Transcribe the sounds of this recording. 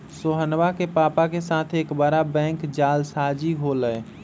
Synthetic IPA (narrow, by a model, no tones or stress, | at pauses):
soɦənʋakepapakesat̪ʰekbəɾabɛ̃ŋkd͡ʒalsad͡ʒiɦoləj